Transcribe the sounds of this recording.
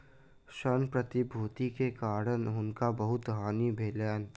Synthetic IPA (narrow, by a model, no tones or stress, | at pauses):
ʃənpɾət̪ibʱuːt̪ikekaːɾənɦʊnkabəɦʊt̪ɦaːnibʱeːlɛːn